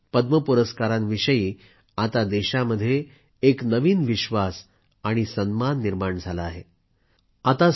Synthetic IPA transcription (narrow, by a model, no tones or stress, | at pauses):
pəd̪məpuɾəskaɾãnʋiɕəjiː | at̪ad̪eɕaməd̪ʱːjeː | knəʋiːnʋiɕʋas | aɽ̃isənmanːiɾmaɳd͡zʱalaːɦe | at̪a